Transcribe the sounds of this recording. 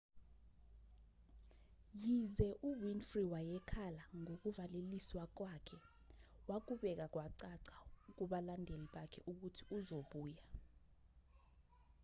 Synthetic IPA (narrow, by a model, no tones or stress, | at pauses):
jizɛʔuwinfriwajɛkʰalaŋok̬uvaleliswak̬wakʰɛ | wak̬uɓɛk̬ak̬waǀaǀauk̬uɓalandʱeliɓakʰɛ̰ʔuk̬utʰiuzoɓuːja